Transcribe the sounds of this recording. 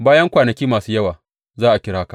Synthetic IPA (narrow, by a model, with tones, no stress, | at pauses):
baː˦jɐ˦ŋkʷaː˨nɐ˨kʲiː˦maː˨suː˦jɐ˦waː˨ | zaː˦ʔa˨kʲɪ˦ɽaː˦ka˨